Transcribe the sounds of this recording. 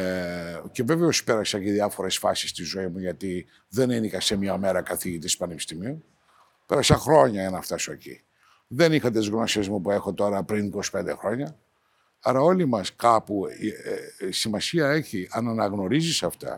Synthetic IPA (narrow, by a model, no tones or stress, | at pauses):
ce̞ve̞veospe̞ɾɐsɐciðiɐfo̞ɾe̞sfɐ̰si̥st̪izo̞imuʝɐt̪i | ðeninixɐsemɲɐme̞ɾɐkɐθiʝit̪ispɐnepi̥st̪imiun | peɾɐsɐxɾo̞ɲɐʝɐnɐft̪ɐso̞ḛcḭ | ðe̞nixɐt̪ezɣno̞sezmupue̞xo̞t̪o̞ɾɐpɾiniko̞si̥pe̞nd̪exɾo̞ɲɐ | ɐɾɐo̞limɐskɐpu | simɐsiɐe̞çiʔɐnɐnɐɣno̞ɾizisɐft̪ɐ̰